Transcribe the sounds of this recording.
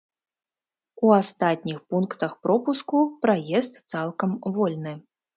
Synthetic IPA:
uast̪at̪̚ʲnʲixpunkt̪ɐxpɾɔpuskupɾajɛst̪t̪salˠkɐmvɔlʲnɨ

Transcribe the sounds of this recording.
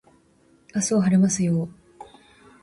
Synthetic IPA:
asoːɦaɾemasɨjo

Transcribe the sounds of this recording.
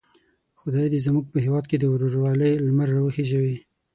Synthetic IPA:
xʊd̪ɑjd̪izamuɡ̚pəɦewɑd̪̚ked̪əwɾoɾwɑləjlmaɾːawəxeʒawi

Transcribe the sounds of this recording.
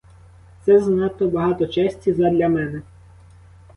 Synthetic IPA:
t̪sɛznɑt̪ɔbɐɦɑt̪ɔt͡ʃɛsʲtʲizɐd̪lʲɐmɛnɛ

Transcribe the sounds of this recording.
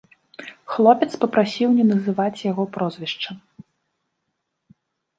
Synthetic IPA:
xlˠɔpʲɛt̪spɐpɾasʲiwnʲɛnɐzɨvat͡sʲjaɣɔpɾɔzvʲɛʂt͡ʂɐm

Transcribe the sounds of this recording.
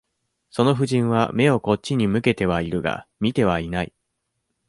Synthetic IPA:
so̞no̞ɸɯ̟ʑĩɰ̃βa̰me̞o̞ko̞t͡ɕːiɲ̟imɯ̟ke̞t̪e̞β̞aiɾɯ̟ɡa̰mʲit̪e̞β̞ainaḭ

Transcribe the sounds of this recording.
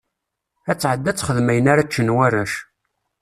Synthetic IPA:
æt͡sːʕəd̪ːæt͡sːχəðmæjənaɾat͡ʃːənwærːæʃ

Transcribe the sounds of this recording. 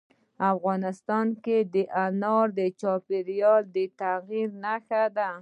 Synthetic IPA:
afɣɑnɪst̪ɑnked̪əʔanɑɾd̪ət͡ʃɑpɪɾjɑld̪ət̪aɣiɾnaxad̪a

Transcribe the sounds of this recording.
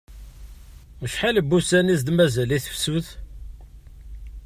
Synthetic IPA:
əʃħaləbːusænizd̪mæzæliθəfsuð

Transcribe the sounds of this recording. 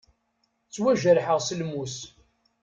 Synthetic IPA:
t͡sːwæʒəɾħəʁsəlmus

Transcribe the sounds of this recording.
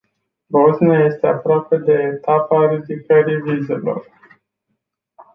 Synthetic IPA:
bozniaje̞st̪e̞apɾoape̞d̪e̞ːt̪apaɾid̪ikəɾivize̞lo̞̰r

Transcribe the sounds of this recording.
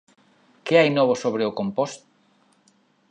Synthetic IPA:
keajnoβ̞ʊsoβ̞ɾeokompost̪ʊ̥

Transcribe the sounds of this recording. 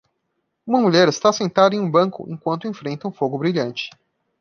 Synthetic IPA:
ũmɐmuʎɛɾɪst̪asẽnt̪ad̪ɐẽj̃ũbɐ̃ŋkʊ̰ḛ̃ŋkwɐ̃nt̪ʊẽfɾẽnt̪ɐũfoɡʊbɾiʎɐ̃nt͡ʃɪ̥

